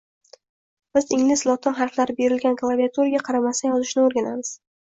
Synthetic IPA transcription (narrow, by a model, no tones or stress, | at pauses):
b̥ɪzɪŋlɪslˠɒt̪ʰɪnχɑɾflaɾɪbe̞ɾɪlɡʲanklˠaviat̪ʰuɾaɡʲaqʰɑɾamasajɒzɪʃnɪoɾɡʲanamɪz̥